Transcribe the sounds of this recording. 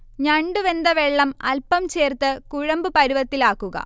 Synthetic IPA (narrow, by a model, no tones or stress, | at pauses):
ɲɐɳɖuʋe̞nd̪ɐʋeɭːɐmɐlpːɐmt͡ɕe̞ːrt̪ɨkuɻɐmbɨpɐɾuʋɐt̪ːilaːkːuɣɐ̰